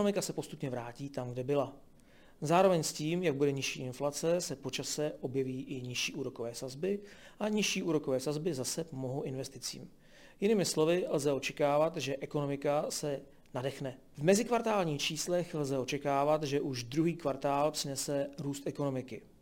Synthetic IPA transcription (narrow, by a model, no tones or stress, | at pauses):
omɪkasɛpo̞st̪u̥pɲɛvɾaːciːt̪amɡdɛbɪla | zaːɾo̞vɛɲsciːmjaɡ̚budɛɲɪʃḭːʔɪnflat͡sɛsɛpo̞t͡ʃasɛʔo̞bjɛviːʔɪɲɪʃiːʔuːɾo̞ko̞vɛːsazbɪʔaɲɪʃiːʔuːɾo̞ko̞vɛːsazbɪzasɛpomo̞ɦoʔɪnvɛst̪ɪt͡sḭːm | jɪnɪːmɪslo̞vɪlzɛo̞t͡ʃɛkaːvat̪ʒɛʔɛko̞no̞mɪkasɛ | nadɛxnɛ | vmɛzɪkvaɾt̪aːlɲiːxt͡ʃiːslɛxlzɛo̞t͡ʃɛkaːvat̪ʒɛʔuʒd̪ɾuɦiːkvaɾt̪aːlpr̥ɪnɛsɛɾuːst̪ʔɛko̞no̞mɪkɪ